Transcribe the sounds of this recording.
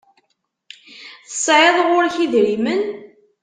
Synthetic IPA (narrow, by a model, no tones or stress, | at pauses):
θə̥sˤːʕəðˤʁʊɾçiðɾimən